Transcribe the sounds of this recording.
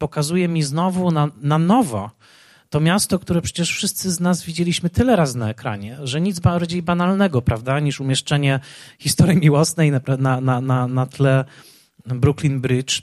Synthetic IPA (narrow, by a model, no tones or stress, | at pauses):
pɔkazujɛmʲiznɔvunananɔvɔ̰ | t̪ɔmʲjast̪ɔkt̪uɾɛpʂɛt͡ɕɛʂfʂɘst̪sɘznazvʲid͡ʑelʲiɕmɘt̪ɘlɛɾasnaɛkɾa̰ɲɛʐɛɲid̪zbaɾd͡ʑejbanalnɛɡɔpɾavd̪aɲiʂumʲjɛʂt͡ʂɛɲɛxʲist̪ɔɾjimʲiwɔsnɛjnapɾananananat̪lɛ | bɾuklʲinbɾɘt͡ʂ